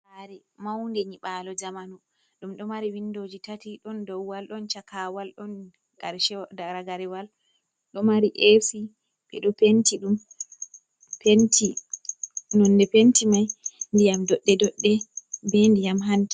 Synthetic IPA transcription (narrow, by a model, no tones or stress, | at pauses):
haɾimawndɛɲiɓalɔd͡ʒamanu | ɗumɗɔmaɾiwindod͡ʒitatiɗɔndɔwwalɗɔnt͡ʃakawalɗɔn | ɡ̥aɾʃɛdaɾaɡaɾɛwal | ɗɔmaɾiʔefi | bɛ̰ɗɔpentiɗum | pʰenti | nɔndɛpentimajndijamdɔɗːɛdɔɗːɛbɛndijamɦanti